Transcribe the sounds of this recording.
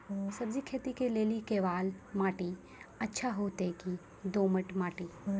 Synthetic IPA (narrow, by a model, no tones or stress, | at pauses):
sɐbd͡ʒikʰeːt̪ikeleːlikeːʋaːlmaːʈi | ɐtːʃʰaɦoːt̪eki | d̪oːməʈmaːʈi